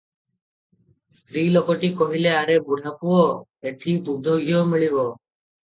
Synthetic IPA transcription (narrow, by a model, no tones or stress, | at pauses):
st̪ɾilɔkɔʈikɔɦileaɾebuɽʱapuɔ | eʈʰib̪ud̪ʱɔɡʱijɔmiɭibɔ